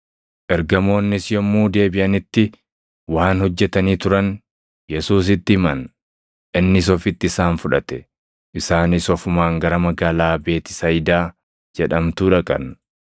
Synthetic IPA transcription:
ʔɛɾɡɐmo̞ːnːɪsjɔmːuːd̪e̞ːbɪʔɐnɪt̪ːɪ | waːnhɔd͡ʒːɛt̪ɐniːt̪ʊɾɐn | jɛsuːs̬ɪt̪ːɪmɐn | ʔɪnːɪs̬ɔfɪt̪ːɪɪsaːnfʊᶑɐt̪ɛ̥ | ʔɪsaːnɪsɔfʊmaːŋɡɐɾɐmɐɡaːlaːbe̞ːt̪ɪ̥sɐjɪd̪aː | d͡ʒɛᶑɐmt̪uːᶑɐkʼɐ̰n

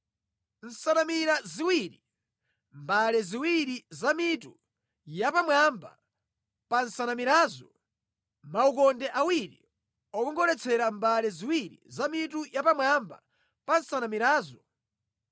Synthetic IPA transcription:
n̩sanamiɾaziwiɾi | mbalɛziwiɾizamitu | japamwamba̰ | pansanamiɾaːzɔ | maukɔndɛʔawiɾḭ | ɔkɔŋɡɔɾɛt͡sʰɛɾambalɛziwiɾḭzamitujapamwamba̰ | pansanamiɾaːzɔ

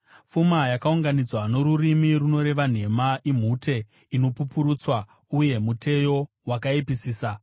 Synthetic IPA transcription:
fumajakauŋɡanid͡zwano̞ɾurimiruno̞ɾe̞ʋan̤e̞maʔim̤ute̞ | ino̞pupuɾuːt͡swa | uje̞mutʰe̞jo̞ | wakaipisiːsa

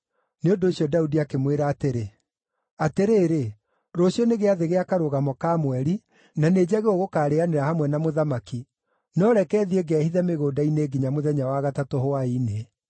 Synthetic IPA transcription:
neondoːɕjɔdaudiakemweɾaːteɾe | ateɾeːɾe | ɾoɕiɔneɣeaðeɣeakaɾoɣamɔkamwɛɾi | naneːd͡ʑaɣeoɣokaːɾeaneɾahamwɛnamoðamaki | nɔɾɛkɛːðieɡɛhiðɛmeɣoːdaineɡiɲamoðɛɲawaɣatatohoaine

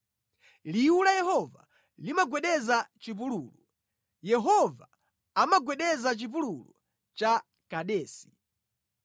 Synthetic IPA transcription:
liulajɛɦɔva̰ | limaɡwɛɗɛzat͡ʃip̬uluːlu | jɛɦɔva | amaɡwɛɗɛzat͡ʃip̬ululɔ̰ | t͡ʃa | kaɗɛːsi̥

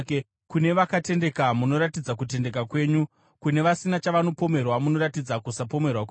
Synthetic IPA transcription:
kune̞ʋakate̞nde̞kamuno̞ɾatid͡zak̬ute̞nde̞k̬akwe̞ːɲu | kune̞ʋasinat͡ʃaʋano̞po̞me̞rwamuno̞ɾatid͡zakusapo̞me̞rwak̬

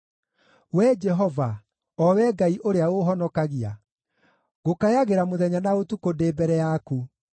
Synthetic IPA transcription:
wɛd͡ʒɛɦɔva | ɔwɛɡaiʔoɾeaoɦɔnɔkaɣia̰ | ɣokajaɣeɾamoðɛɲanaotukodeːbɛɾɛjaku

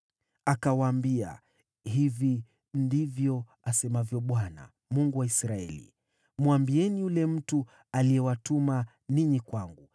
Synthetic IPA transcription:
akawaːmbia̰ | hivi | ndivjɔ | asɛmavjɔɓwana̰ | muŋɡuwaisɾaɛ̰lḭ | mwambiɛnijulɛm̩tu | aliɛwatuma | niɲikwaŋɡu

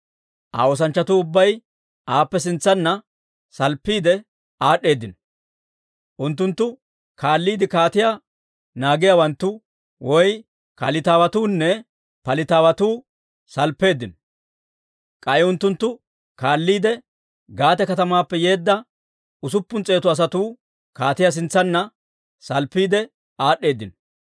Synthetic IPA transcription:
ʔa̰ːwoːs̬ɐnt͡ʃːɐt̪uːʊbːɐj | ʔaːpːɛs̬ɪnt͡sːɐnːɐ | sɐlpːiːd̪ɛ | ʔaːɗːe̞ːd̪ːɪnɔ | ʔʊnt̪̬ːʊnt̪ːʊ | kʰaːlːiːd̪ɪkaːt̪ɪjaː | naːɡɪjawɐnt̪ːʊ | wɔj | kɐlɪt̪aːwɐt̪uːnːɛ | pɐlɪt̪aːwɐt̪uː | sɐlpːe̞ːd̪ːɪn | kʼɐʔɪʊnt̪ːʊnt̪ːʊ | kaːlːiːd̪ɛ | ɡaːt̪ɛkɐt̪ɐmaːpːɛje̞ːd̪ːɐ | ʊs̬ʊpːʊnt͡sʼe̞ːt̪ʊɐs̬ɐt̪uː | kaːt̪ɪjas̬ɪnt͡sːɐnːɐ | sɐlpːiːd̪ɛ | aːɗːe̞ːd̪ːɪn

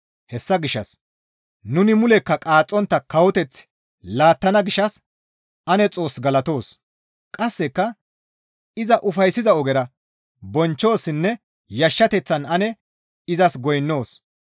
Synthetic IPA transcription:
hɛsːɐɡɪʃɐ̰s | nʊnɪmʊlɛkːɐkʼaːt͡sʼːɔnt̪ːɐkɐwɔt̪ɛt͡s | laːt̪ːɐnɐɡɪʃɐs | ɐnɛt͡sʼo̞ːsɡɐlɐt̪o̞ːs | kʼɐsːɛkːɐ | ɪzɐʔʊfɐjsːɪzɐɔɡɛɾɐ | bɔnt͡ʃːo̞ːsːɪnːɛ | jɐʃːɐt̪ɛt͡sːɐnɐnɛ | ɪzɐsɡɔjnːo̞ːs

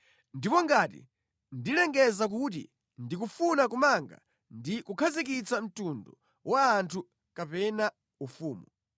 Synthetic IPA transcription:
ndipɔŋɡatḭ | ndilɛŋɡɛzak̬ut̬ḭ | ndik̬ufunak̬umaŋɡa̰ | ndikukʰazik̬it͡sam̩tundɔ | waːntʰu | kapɛna | ufuːmu

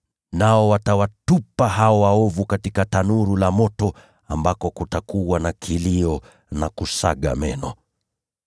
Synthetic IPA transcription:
naɔwatawatupaɦaɔwaɔvukatikatanuɾulamɔtɔ | ambakɔkutakuwanakʰiliɔ | nakusa̰ɠa̰mɛnɔ

